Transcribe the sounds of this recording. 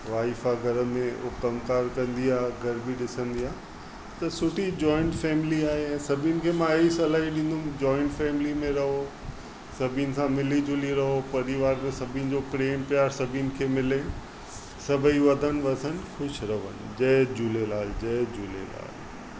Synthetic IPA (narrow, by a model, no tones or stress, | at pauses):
ʋaːifaɡʱɐɾə̆mẽʊkɐmkaːɾkɐ̃nd̪iaːɦɡʱɐɾbiɗɪsə̃nd̪iaː | t̪ɐsʊʈʰid͡ʑɔːɪ̃ɳʈfɛːmɪliaːɦeɛ̃ːsɐbʱinɪ̆kʰeːmãeisɐlaːiɗɪ̃ːn̆d̪ʊmd͡ʑɔːɪ̃ɳʈfɛːmɪlimẽɾɐɦo | sɐbʱinɪ̆sãmɪlid͡ʑʊliɾɐɦopɐɾiʋaːɾmẽsɐbʱinɪ̆d͡ʑopɾeːmpijaːɾsɐbʱinɪ̆kʰeːmɪle | sɐbʱiʋɐd̪ʱən̆ʋɐsən̆xʊʃɾɐʋə̰nɪ̆d͡ʑɐd͡ʑʊlelaːld͡ʑɐɦd͡ʑʊlḛla̰ːl